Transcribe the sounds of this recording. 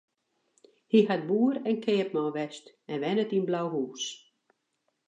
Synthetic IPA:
hihat̚buːəɾɛnkʰɪːp̚mɔwʋɛst | ɛnʋɛnətinblawhuːs

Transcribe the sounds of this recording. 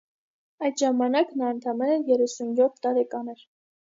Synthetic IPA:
ɑjt̪ʒɑmɑnɑknɑənt̪ʰɑmɛnəjɛrɛsunjɔt̪ʰːɑɾɛkɑnɛɾ

